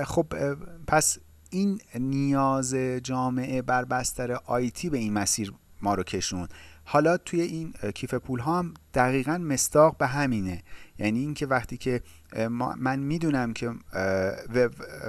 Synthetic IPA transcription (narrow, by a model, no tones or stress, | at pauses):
xobpʰæs | innijɒːzed͡ʒɒːme̞ʔe̞bæɾbæst̪æɾeʔɒːjt̪ʰiːbe̞inmæsiːɾmɒːɾocʰe̞ʃunhɒːlɒːt̪ʰuje̞ʔiːncʰife̞pʰuːlɦɒːmd̪̥æɣiːɣænme̞sd̪ɒːɣbe̞ɦæmiːnejæniːncʰe̞væχt̪ʰiːcʰe̞ | mænmiːd̪uːnæmcʰe̞ | veb